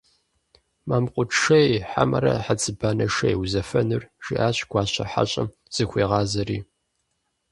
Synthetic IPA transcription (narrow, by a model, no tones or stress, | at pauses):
maːmqʷʼʊʈ͡ʂʂɐjħa̰mɐɾɐ̰ħat͡sʰʼɨbaːnɐʂɐjwzɐfɐnɨrʒ̥iʔaːɕɡ̥ʷɑːɕʼɐ̰ħa̰ɕʼɐm | z̥ɨxʷiːʁɑːzɐriː